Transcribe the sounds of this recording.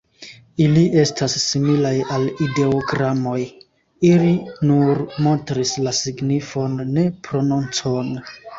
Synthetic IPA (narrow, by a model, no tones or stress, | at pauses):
iliʔe̞stasːimilajalide̞oɡɾamo̞j | ilinuɾmo̞ntɾislasiɡnifo̞nːe̞pɾo̞nunt͡so̞n